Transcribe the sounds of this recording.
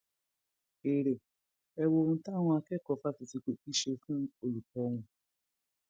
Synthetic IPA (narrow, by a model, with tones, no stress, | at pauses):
e˨ɾe˨ | ɛ˨wo˨˦n̩˦ta˦ŋʷʊ˦a˨kɛ˦˨kɔ˨fa˦ti˨ti˨ke˨pi˦ʃe˦fũ˦o˨lu˨kɔ˦ŋʷʊ̃˦